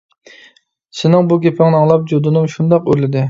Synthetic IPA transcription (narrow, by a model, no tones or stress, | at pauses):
sɪnɪŋbuɡʲepʰɪŋnɑŋlˠɑp̚d͡ʒud̪ɨnɨmʃund̪ɑqølɪd̪ɪ